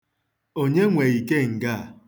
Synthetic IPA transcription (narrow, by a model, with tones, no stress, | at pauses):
o˦ɲe˦ŋʷe˨i˨ke˦ŋ̩˨ɡa˦˨